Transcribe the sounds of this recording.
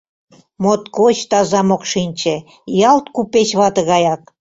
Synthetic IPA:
mot̪kot͡ɕt̪ɑzɑmokʃinʲt͡ɕĕ | jɑlt̪kupet͡ɕβɑt̪ə̆ɣɑjɑk̚

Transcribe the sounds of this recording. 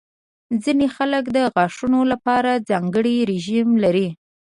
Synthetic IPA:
zinexaləkd̪əɣɑʂunolapɑɾad͡zɑŋɡəɽiɾeʒimlaɾi

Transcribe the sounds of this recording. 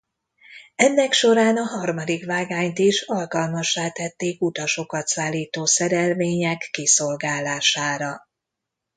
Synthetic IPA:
ɛnːɛkʃo̞ɾaːnɒɦɒrmɒd̪ikʋaːɡaːɲt̪iʃɒlkɒlmɒʃːaːt̪ɛt̪ːeːkut̪ɒʃo̞kɒt̪saːlːiːt̪oːsɛɾɛlveːɲɛkːiso̞lɡaːlːaːʃaːɾɒ

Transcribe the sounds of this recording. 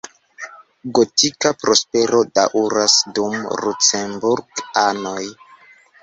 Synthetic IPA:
ɡotikapɾo̞spe̞ɾo̞daʔuɾasdumlut͡sembuɾɡano̞j

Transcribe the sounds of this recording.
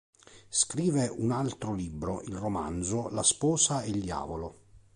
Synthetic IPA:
skɾiːveʔunalt̪ɾolibːɾoʔilroma̰nd̪zolaspɔːsaeld̪ja̰ːvolo

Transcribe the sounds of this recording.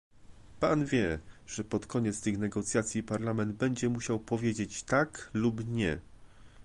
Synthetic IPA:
panvʲjɛʐ̥ɛpɔt̪kʰɔɲɛt̪st̪ɘxnɛɡɔt̪sʲjat̪sʲjipaɾlamɛnd̪̚bɛɲd͡ʑɛmuɕawpɔvʲjed͡ʑet͡ɕt̪aklubɲɛ

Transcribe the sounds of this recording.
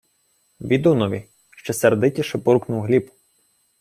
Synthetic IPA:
ʋʲid̪unɔʋʲi | ʃt͡ʃɔsɛrd̪ɪtʲiʃɛbɔɾknʊwɦlʲipʊ

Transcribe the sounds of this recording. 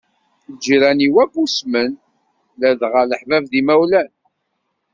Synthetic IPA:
d͡ʒːiɾæniwæbusmən | læðʁələħvævðimæwlæn

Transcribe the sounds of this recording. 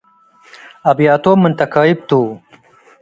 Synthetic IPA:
ɐbjɑːt̪oːmunt̪ɐkɑːib̚t̪uː

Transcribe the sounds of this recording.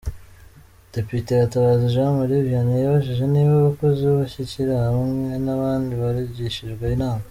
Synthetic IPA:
d̥e̞pite̞jataβaːziʒemuɾiβjanijaβaʃiʒe̞niβaβakozioβaçiciɾahaβamwe̞naβaːndiβaɾiɟiʃiʒɡweinaːma

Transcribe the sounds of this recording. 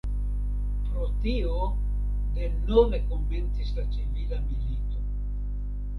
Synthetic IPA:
pɾo̞tio | de̞nove̞ko̞mːe̞nt͡sislat͡ʃivilamilito̞

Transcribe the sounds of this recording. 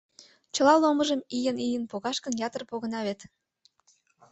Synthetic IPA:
t͡ɕə̆lɑloməʒəmijənijənpoɣɑʃkənjɑt̪ərpoɣə̆nɑβet̪

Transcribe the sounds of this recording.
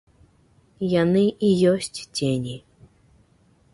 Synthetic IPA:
janɨʔijɔsʲt͡sʲt͡sʲenʲi

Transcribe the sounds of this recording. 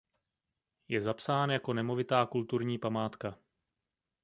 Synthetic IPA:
jɛzapsaːnjako̞nɛmo̞vɪt̪aːkult̪uɾɲiːpamaːt̪ka

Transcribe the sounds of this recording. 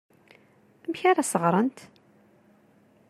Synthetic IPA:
mçaɾasəʁɾˤənt̪

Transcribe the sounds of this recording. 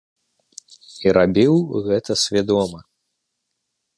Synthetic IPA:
iɾabʲiwɣɛt̪ɐsʲvʲad̪ɔmɐ

